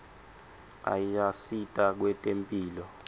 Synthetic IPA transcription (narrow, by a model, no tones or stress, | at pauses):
a̰jasitʼak̬wɛtʼempʼiːlɔ